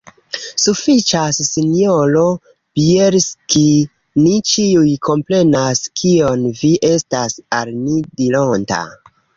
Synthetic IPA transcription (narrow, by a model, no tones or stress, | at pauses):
sufit͡ʃasːinjolo̞ | b̥ieɾski | nit͡ʃiujkʰo̞mpɾe̞naskʰio̞nviʔe̞stasalmidilonta̰